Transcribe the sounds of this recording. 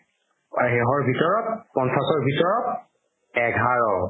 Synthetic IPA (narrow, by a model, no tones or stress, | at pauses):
ɦɛɦɔɹbʱitɔɹɔp̚pːɔntʰakɔɹbʱitɔɹɔp̚ | ɛɡʱaɹɔ